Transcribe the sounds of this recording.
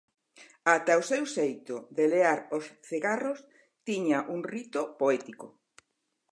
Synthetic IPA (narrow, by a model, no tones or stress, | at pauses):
at̪aosewsejt̪oðeleaɾosθiɣaros | t̪iɲaʔuŋrit̪opoɛt̪iko